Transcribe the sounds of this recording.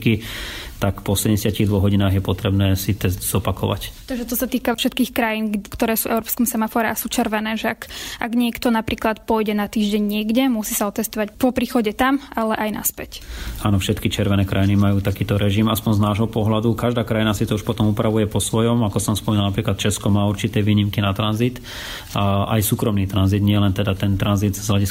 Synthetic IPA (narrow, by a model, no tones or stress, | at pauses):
kit̪akpɔsɛdɛsɪaciɣd̪ʋɔɦɔɟinaːɣjɛpɔt̪ɾɛbnɛːsit̪ɛsz̥ɔpakɔʋa̰ct̪aɡʒɛt̪ɔsat̪iːkafʃɛt̪kiːxkɾajiːnɡkt̪ɔɾɛːsuːvɛʊɾɔpskɔmsɛmafɔːɾɛʔasuːt͡ʃɛɾʋɛnɛːʒɛakʔaɡɲɪɛkt̪ɔnapɾiːklat̪pɔjɟɛnat̪iːʒɟɛɲɲɪɛɡɟɛmusiːsaɔt̪ɛst̪ɔʋacpɔpɾiːxɔɟɛt̪amalɛʔajna̰spɛcaːnɔfʃɛt̪kit͡ʃɛɾʋɛnɛːkɾʔajinimajuːt̪akiːt̪ɔɾɛʒimaspɔnznaːʒɦɔpɔɦlad̪ukaʒd̪aːkɾajinasit̪ɔuʃpɔt̪ɔmupɾaʋujɛpɔsʋɔjɔmakɔsɔmspɔmiːnalnapɾiːklat̪t͡ʃɛskɔmaːuɾt͡ʃit̪ɛːʋiːɲimkinat̪ɾanzit̪ | ʔa̰jsuːkɾɔmniːt̪ɾanzid̪ɲɪɛlɛnt̪ɛd̪at̪ɛnt̪ɾanzid̪zɦlaɟis